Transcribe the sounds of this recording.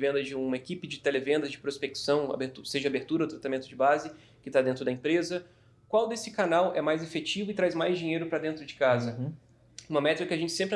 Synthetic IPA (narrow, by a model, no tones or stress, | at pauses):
vẽnd̪ɐd͡ʒɪũmɐekipɪd͡ʒɪt̪elevẽnd̪ɐd͡ʒɪpɾospeksɐ̃w̃a̰beɾt̪useʒɐabeɾt̪uɾɐawt̪ɾat̪amẽnt̪ʊd͡ʒɪbazɪ | kɪt̪ad̪ẽnt̪ɾʊd̪ɐẽmpɾezɐ | kwawd̪esɪkanawɛmajzefet͡ʃivʊɪt̪ɾajzmajzd͡ʒiɲejɾʊpɾɐd̪ẽnt̪ɾʊd͡ʒɪ̥kazɐ | ũmɐmɛt̪ɾɐkɪɐʒẽnt͡ʃɪ̥sẽpɾɪ